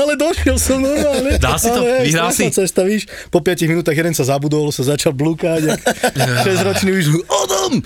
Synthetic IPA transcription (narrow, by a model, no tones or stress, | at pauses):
alɛd̪ɔʃɪɛlsɔmnɔɾmaːlɲɛd̪asialɛɦɛiasat͡ssɛst̪aʋiːʃ | pɔpɪaciminut̪aːɣjɛd̪ɛnsazabud̪ɔlsazat͡ʃalblukaɟakʃɛzɾɔt͡ʃɲɛiʃliʔɔd̪ɔm